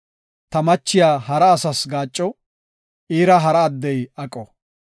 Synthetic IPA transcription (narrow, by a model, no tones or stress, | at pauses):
t̪ɐmɐt͡ʃːɪjaːɦɐɾɐːsɐsɡaːt͡ʃʼːɔ | iːɾɐɦɐɾɐːd̪ːɛjɐkʼːɔ